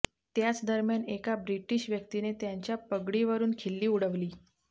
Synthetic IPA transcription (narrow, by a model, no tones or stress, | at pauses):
t̪jat͡sd̪əɾmjanekabɾiʈiɕʋjək̚t̪inet̪jaɲt͡ɕjapəɡɽiʋəɾuːnkʰelːiːuɽəʋliː